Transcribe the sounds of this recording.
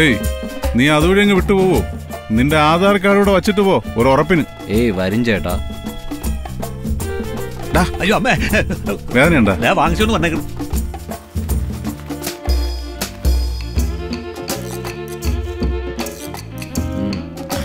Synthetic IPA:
einiːɐðuʋɐɻijeŋɡiʋiʈːɨpo̞ːʋoninde̞aːðaːɾɐk̬ːaːɾuːɽeʋɐt͡ɕːiʈ̬ːɨpo̞ːoɾuorɐpːinɨ | eːʋɐɾiɲd͡ʑajʈːa̰ː | ɖaɐjːoːɐmːe | ʋeːðɐneuɳɖaaːʋaːŋɡɐsikonːɨʋɐnːejkːɐɳum

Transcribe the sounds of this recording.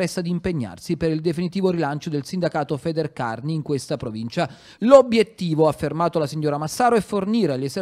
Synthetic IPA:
ɛst̪ad̪iːmpeɲːa̰rsipeɾild̪efinit̪iːvoɾilant͡ʃod̪elsind̪akaːt̪ofɛːd̪erka̰rniːŋkwest̪apɾovint͡ʃa | lobjet̪ːiːvoafːermaːt̪olasiɲːoːɾamasːaːɾoɛfːorniːɾelese

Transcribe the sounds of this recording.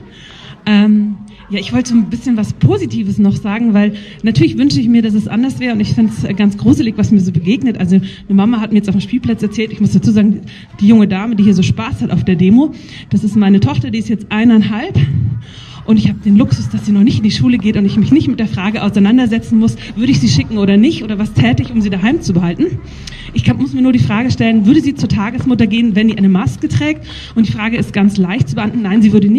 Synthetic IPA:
ʔɛːm | jaːɪçv̥ɔltəzoːnbɪsçənvaspʰoːzitʰiːvəsnɔχz̥aːɡŋ̩vaɪl | natʰyːɐlɪçv̥ʏnʃəɪçmiːɐdas̬ɛsʔa̰ndɐsv̥ɛːʁəʊntɪçfɪntsɡant͡sɡ̥ʁuːzɪlɪçvasmiːɐzoːbəɡeːɡnətʔalzonəmamahat̚miːɐjɛt͡stʔaʊfm̩ʃpiːlpl̥at͡sɛɐt͡sɛːltɪçmʊsd̥at͡suːzaːɡŋ̩ | d̥iːjʊŋədaːmədiːhiːɐzoːʃpaːshataʊfd̥eːɐdeːmo | d̥asɪstmaɪnətʰɔχtɐdiːɪstjɛt͡stʔaɪnanɦalp | ʔʊntɪçhaːbəd̥eːnlʊksʊsd̥asz̥iːnɔχnɪçtɪndiːʃuːləɡeːtʊntɪçmɪçnɪçtmɪt̚d̥eːɐfʁ̥aːɡəʔaʊsaɪnandɐzɛt͡sn̩mʊsv̥ʏɐɾəɪçz̥iːʃɪkŋ̩ʔoːɾɐnɪçtʔoːɾɐvastʰɛːtəɪçʊmziːdaɦaɪmt͡subəhaltn̩ | ʔɪçkʰamʊsmiːɐnuːɐdiːfʁ̥aːɡəʃtɛlənvʏɐɾəziːt͡suːɐtʰaːɡəsmʊtɐɡeːənvɛndiːʔaɪnəmaskətʁ̥ɛːk̚t | ʔʊntd̥iːfʁ̥aːɡəɪstɡ̥ant͡slaɪçt̚t͡subəʔamtn̩nːaɪnziːvʏɐɾənɪ

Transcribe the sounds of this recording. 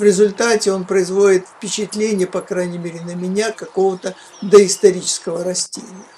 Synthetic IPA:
vɾʲɪzʊlʲt̪atʲɪo̞npɾəɪzvo̞dʲɪt̪fʲpʲɪt͡ɕɪt̪lʲenʲɪjəpɐkɾajnʲɪmʲeɾʲɪnəmʲɪnʲakɐko̞vət̪ə | d̪əɪst̪ɐɾʲit͡ɕɪ̥skəvəɾɐsʲtʲḛnʲɪjə

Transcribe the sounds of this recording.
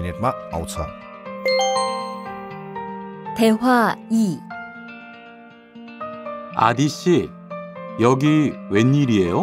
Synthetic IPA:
net̚maa̰wt͡sʰa̰ | t̪eɦwai | a̰d̪iɕi | jʌɡiweɲːiɾiejo

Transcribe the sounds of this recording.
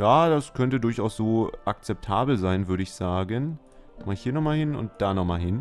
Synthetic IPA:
jaːd̥askʰœntədʊɐçʔaʊsz̥oːʔak̚t͡sɛp̚tʰaːbl̩zaɪnvʏɐɾəɪçz̥aːɡən | maːlhiːɐnɔχmaːlhɪnʊ̰nt̚d̥aːnɔχmaːlhɪn

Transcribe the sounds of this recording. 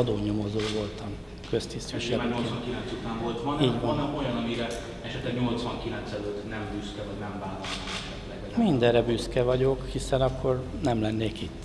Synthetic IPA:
ɒd̪oːɲomo̞zoːvo̞lt̪ɒm | kø̞st̪ist̪iʃɛaɲosʋɒŋkilɛnt̪sut̪aːɱvolt̪vɒniːɟʋɒnɛo̞jɒnɒmiɾɛ | ɛʃɛt̪lɛɡɲo̞lt̪sʋɒŋkilɛnt̪sɛløt̪nɛmbyskɛvɒɟnɛɱvaːlɒlmɒ | lɛɡɛmind̪ɛrːɛbyskɛvɒɟo̞khisɛnɒkːo̞r | nɛmlɛnːeːkit̪ː

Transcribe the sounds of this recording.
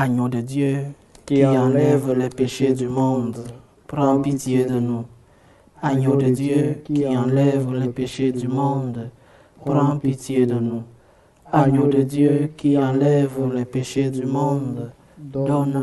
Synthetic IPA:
aɲod̪əd̪jø | kkiɑ̃lɛvlɛpeʃed̪ymɔ̃d̪ | pɾɑ̃pit̪jed̪ənu | aɲod̪əd̪jøkiɑ̃lɛvlɛpeʃed̪ymɔ̃d̪ | ppɾɑ̃pit̪jed̪ənu | aɲod̪əd̪jøkiɑ̃lɛvlɛpeʃed̪ymɔ̃d̪ | d̪ɔn

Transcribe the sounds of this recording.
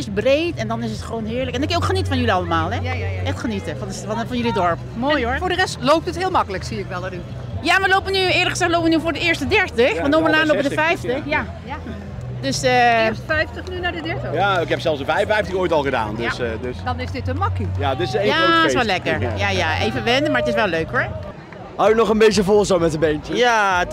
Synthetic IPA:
ɪsbrejtɛndɔnɪsətχəʋownɦɪːɹləkɛndɔtkɪnjowkχənitəfɔnjəliɑlˠəmaːlˠɛɛxtχənitəfnsfnfɔnjəlidɔɹp | moːjoɹfʊːɹdərɛstlowp̚tətɦɪːlˠmɑkələksiɪkʋɛlˠəy | jaməlowpʋənyɪːɹləkχəzɛxtloːpəʋənyvʊːɹdəɪːəɹstədɛɹtəxʋɔntdoməlaːnlopʋədəfɛjftəxja | døsəfɛjftəχnynaːdədɛɹtəaɪkɛpsɛlˠsdəfɛjfɛjftəxojtɑlˠχəda̰ːndøsdøsd̥ɑnɪsdɪtənmɑkijadɪsejasʋɛlɛkəɹjajaʔḛjvəʋɛndəmaːɹətɪsʋɛlˠøɥkɔɹ | ɦawənɔχənbejtjəvɔlˠzowmɛtənbentəja

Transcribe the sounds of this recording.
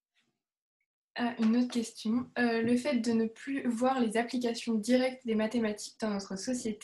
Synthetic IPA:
aʔynot̪χəkʲɛst̪jɔ̃ləfɛt̪̚d̪ənəplyvwaʁlezaplik̬asjɔ̃d̪iʁɛk̚t̪d̪emat̪emat̪ʰi̥k̚d̪ɑ̃nɔt̪χəsɔsjet̪e

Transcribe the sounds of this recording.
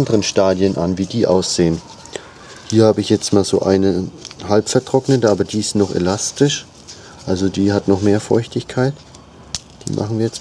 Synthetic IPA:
ndəʁənʃtaːdjənʔanviːdiːʔa̰ʊsz̥eːən | hiːɐhaːbəɪçjɛt͡stmaːlzo̰ːʔaɪnəhalpfɛɐtʁ̥ɔknətəaːbɐdiːɪstnɔχḛlastɪʃ | ʔalzodiːhatnɔχmeːɐfɔ̰ʏçtɪçkʰaɪt | d̥ḭːmʔa̰χn̩viːɐjɛt͡s

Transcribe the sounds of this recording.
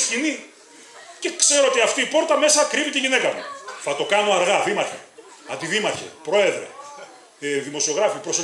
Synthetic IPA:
scini | ce̞kse̞ɾoot̪iɐft̪iːpo̞ɾt̪ɐme̞sɐkɾipit̪iʝinekɐmuθɐt̪o̞kɐnoɐɾɣɐðimɐɾçḛ | ɐ̰nd̪iðimɐçḛpɾo̞e̞ðɾe̞̰ | ðimo̞sio̞ɣɾɐfipɾoso

